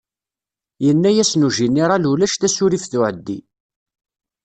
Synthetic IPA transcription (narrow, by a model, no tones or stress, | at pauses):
jənːæjæsnuʒinːiɾˤɑlulæʃθæsuɾifθʊʕəd̪ːḭ